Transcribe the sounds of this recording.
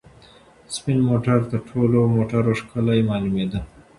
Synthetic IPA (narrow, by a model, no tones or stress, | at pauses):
spɪnmoʈaɾt̪əɾʈʰolomoʈaɾoʂkəlajmɑlumed̪a